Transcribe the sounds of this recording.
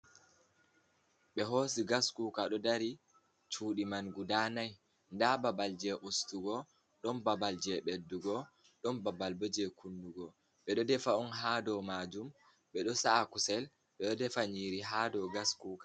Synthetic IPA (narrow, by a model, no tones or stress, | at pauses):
ɓɛɦos̬iɡaskuːkaɗɔdaɾi | t͡ʃuːɗimanɡudanaj | ndababald͡ʒɛʔustuɡɔ | ɗɔnbabald͡ʒɛɓedːuɡɔ | ɗɔnbabalbɔd͡ʒɛkʰunduɡɔ | ɓɛɗɔdɛfaɔnɦaːdɔmad͡ʒum | ɓɛɗɔsaakusɛl | ɓɛɗɔdɛfaɲiːɾiɦaːdɔɡaskuka